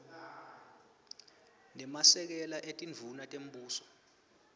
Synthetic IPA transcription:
nɛmasɛk̬ɛlaʔetʼinvʱunatʼem̩ɓuːsɔ̥

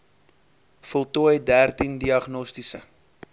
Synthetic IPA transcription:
fɔlˠtuəjdærtindiɐχnɔstisə̰

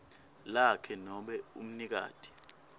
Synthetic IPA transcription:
lakʰɛnɔɓɛṵm̩nik̬a̰ːd̥ʱi̥

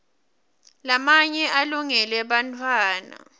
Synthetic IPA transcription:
lamaɲɛʔaluŋɛlɛɓantʰwaːna̰

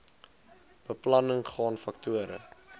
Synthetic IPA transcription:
b̥əplɐnəŋχɑːnfɐktuəɾə̰

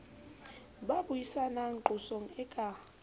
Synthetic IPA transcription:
ɓaɓujisanaŋǃusɔŋɛkʼa

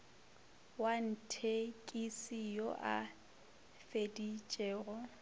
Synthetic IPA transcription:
wan̩tʰekʼisijoʔa̰ | fedit͡ʃʼeːɣɔ

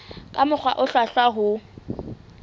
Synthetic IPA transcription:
kʼamʊk͡xʰwaʔʊɬwaɬwaɦʊ

